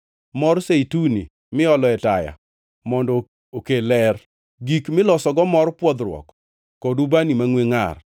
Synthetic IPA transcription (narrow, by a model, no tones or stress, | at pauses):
mɔrseitunḭ | mɪɔlɔɛtaja̰ | mɔndɔ | okelɛr | ɡikmɪlɔsɔɡɔmɔrpwɔd̪ɾwɔ̰k | kɔdubanimaŋweŋa̰r